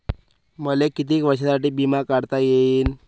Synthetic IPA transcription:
məlekit̪̬iːkʋəɕasaʈiːbimakaɽt̪ajeiːn

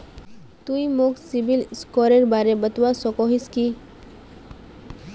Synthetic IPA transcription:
t̪uimoksibilskɔːɾeɾbaːɾebət̪wasɔkɔɦiski

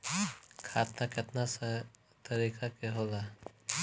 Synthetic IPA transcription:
kʰaːt̪nakɪt̪nasə | t̪ɐɾiːkʰakeɦoːla

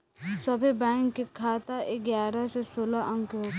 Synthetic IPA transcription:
sɐbʱibɛ̃ːŋkːekʰaːt̪aʔeɡjaːɾasesoːlaʔə̃ŋkɦoː

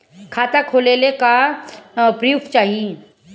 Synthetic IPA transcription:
kʰaːt̪akʰoːleleka | pɾəjukt͡ʃaːɦie

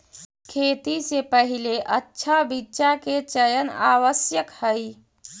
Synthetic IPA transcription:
kʰet̪isepəɦileʔətːʃʰabitːʃaket͡ʃəjəna̰ʋəsjəkhəj

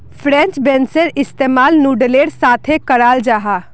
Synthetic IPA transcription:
pʰɾɛ̃ːnt͡ʃbɛ̃ːnsəɾɪst̪eːmaːlnuːɖəleːɽsaːt̪ʰekəɾaːld͡ʒaːɦaː

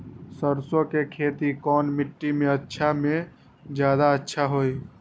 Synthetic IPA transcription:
səɾsokekʰeːt̪ikɔːnmɪʈːimẽətːʃʰamẽ | d͡ʒjaːd̪aətːʃʰaɦoi

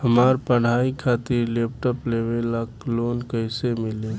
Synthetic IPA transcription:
həmaɾpəɽ̤aikʰat̪iɾlep̚ʈəplebelaklonkəɪsemile

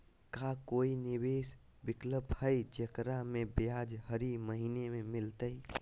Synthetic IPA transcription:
kakoinibeːs | bɪkləbʱhəjd͡ʒəkɾamẽbjad͡ʒɦəɾiməɦiːnemẽmɪlt̪əj

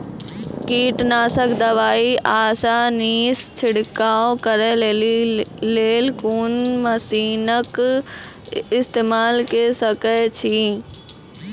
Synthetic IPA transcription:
kiːʈnaːsəkd̪ɐʋaːiʔaːsaːniːst͡ʃʰɪɽkaːokəɾɛl | leːlkuːnməsiːnək | ɪst̪eːmaːlkesəkɛt͡ʃʰiː

